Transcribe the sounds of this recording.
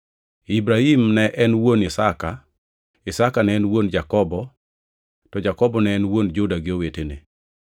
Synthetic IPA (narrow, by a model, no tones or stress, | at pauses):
ibɾahimnɛʔɛnwonɪsaka | ɪsakanɛɛnwond͡ʒakɔbɔ | tɔd͡ʒakɔbɔnɛːnwond͡ʒʊdaɡɪowetenḛ